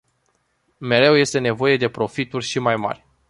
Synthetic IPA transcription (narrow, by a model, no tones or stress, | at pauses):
me̞ɾe̞wje̞st̪e̞ne̞vo̞je̞d̪e̞pɾo̞fit̪urʲʃimajma̰rʲ